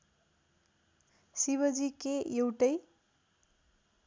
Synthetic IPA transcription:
siβʌd͡zikeewʈʌj

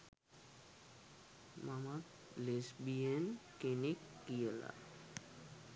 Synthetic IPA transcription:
mamak | lesbienkenekːijela̰

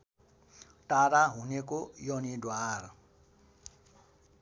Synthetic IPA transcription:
ʈaɾaɦunekojʌnidwar

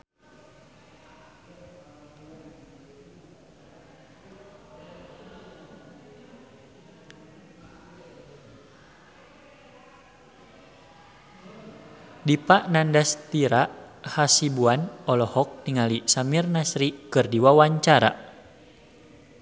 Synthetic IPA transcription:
dipaʔnandast̪iɾaʔhasibuanɔlɔhɔk̚t̪iŋalisamirnasɾikɨrdiwawaɲt͡ʃaɾa̰

